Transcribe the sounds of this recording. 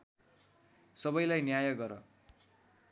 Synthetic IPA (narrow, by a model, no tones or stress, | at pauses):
sʌbʌjlajnjajʌɡɡʌɾʌ